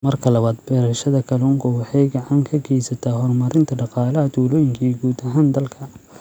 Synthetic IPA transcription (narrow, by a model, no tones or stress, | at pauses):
mɐrkʰɐlɐβaːd̪bɛːɾɐʃɐðɐkʰɐlɔŋkʰʊwɑħɑjɡɐʕɑŋkʰɐɡɛjsɐt̪ʰaːɦɔrmɐɾɪnt̪ʰɐɖɑqɑːlɐɦɐd̪ulɔːjɪŋkʰiːɡuːd̪ɐɦaːnd̪ɐlkʰɐ